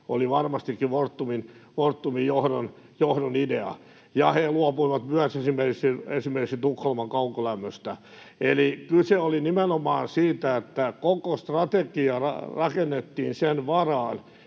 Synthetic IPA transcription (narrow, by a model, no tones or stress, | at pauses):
oliʋɑrmɑst̪ikːiʋort̪ːuminʋort̪ːumijjohdon | johdonideɑ̰ | jɑheluɑpuiʋɑt̪myæsesimːerkiksiesimerkiksint̪ukholmɑŋkɑukolæmːøst̪æ | elikyseolinimenomɑːnsiːt̪æet̪ːækokost̪rɑt̪ekiɑrɑ̰rɑkenːet̪ːiːnsenʋɑrɑːn